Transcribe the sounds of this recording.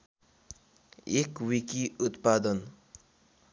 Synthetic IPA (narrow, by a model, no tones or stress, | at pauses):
ekwikiut̪pad̪ʌn